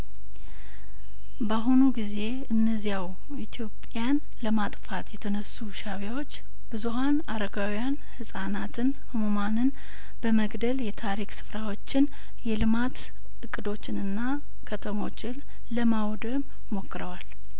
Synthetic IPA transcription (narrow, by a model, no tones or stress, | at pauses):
baɦunuɡize̞ | ɨnːəzijaw | it̪ʰjo̞pʼjan | ləmat̪ʼfat̪jɛt̪ʰənəsːuʃaβjawo̞t͡ʃː | b̥ɨzuɦanaɾəɡawjanhɨsʼanat̪ʰɨn | hɨmomanɨn | b̥əməɡd̪əljɛt̪ʰaɾiksɨ̥fɾawo̞t͡ʃːɪn | jɛlɨmat̪ | ɨkʼːɨd̪o̞t͡ʃːɪnɨnːa | kʰət̪ʰəmo̞t͡ʃːɪn | ləmawd̪əm | mo̞kːɨɾəwal